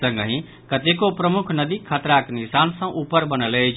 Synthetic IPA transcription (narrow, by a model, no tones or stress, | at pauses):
ə̃ŋɡəɦĩ | kət̪ekopɾəmʊkʰnəd̪ikʰət̪ɾaknɪsaːnsə̃ʔupəɾbənəlet͡ʃ